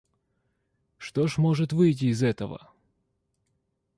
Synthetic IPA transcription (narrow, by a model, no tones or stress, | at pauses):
ʂt̪oʂmoʐɨt̪vɨjt̬ʲɪːzɛt̪əvə̰